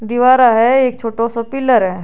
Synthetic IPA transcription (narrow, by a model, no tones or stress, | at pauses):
d̪iʋaːɾaɦɛeːk̚t͡ʃʰoːʈosɔpɪləɾɦɛ